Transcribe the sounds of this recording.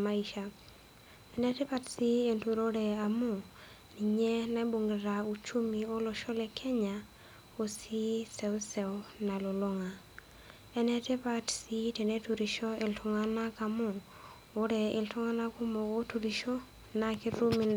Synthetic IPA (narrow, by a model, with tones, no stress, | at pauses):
ma˦i˨ʃa˨ | ɛ˨nɛ˦te˦pa˦tsi˦e˨ntu˨ɾo˦ɾɛ˨a˨mʊ˦˨ | ni˨ɲɛ˦na˦i˦bo˨ŋɡe˨ɾa˨u˨t͡ʃu˦mi˨o˦lɔ˨ʃɔ˦lɛ˨kʰɛ˦ɲa˨ | o˦si˦sɛ˨ʊ˦sɛ˨ʊna˨lo˨lo˦ŋa˨ | ɛ˦nɛ˦te˦pa˦tsi˦tɛ˨ne˦tu˨ɾi˨ʃɔ˦e˨ltʰʊ˨ŋa˦na˦ka˨mʊ˨ | o˦ɾɛ˨e˨ltʊ˦ŋa˦na˦ku˦mɔ˨ko˦tu˨ɾi˨ʃɔ˦ | na˨kɪ˦ɾu˦mi˨n